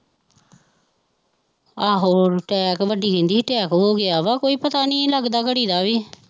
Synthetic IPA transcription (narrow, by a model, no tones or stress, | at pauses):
aːɦoːɾʈɛːkʋəɖiːkɪ̃nd̪iːʈɛːkɦoːɡɪaːʋaːkoːiːpət̪aːnĩːləɡd̪aːkəɽiːd̪aːʋiː